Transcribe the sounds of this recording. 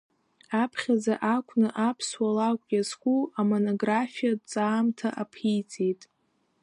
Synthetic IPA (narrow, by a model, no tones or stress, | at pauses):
apʰχʲazaʔakʷʰʼnɨʔapʰswalakʷʼɡʲaskʷʼuamono̞ɡrafijadt͡sʼaːmtʰaʔapʰijt͡sʼejtʼ